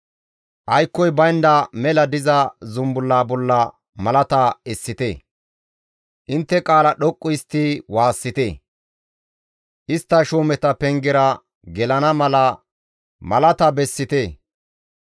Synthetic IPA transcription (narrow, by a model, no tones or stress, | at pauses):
ʔɐjkːɔjbɐjnd̪ɐmɛlɐd̪ɪzɐzʊmbʊlːaːbɔlːɐ | mɐlɐt̪ɐɛsːɪt̪ḛ | ʔɪnt̪ːɛkʼaːlɐɗɔkʼːʊɪst̪ːiwaːsːɪt̪e | ʔɪst̪ːɐʃoːmɛt̪ɐpɛŋɡɛɾɐ | ɡɛlɐnɐmɐlɐ | mɐlɐt̪ɐbɛsːɪt̪eː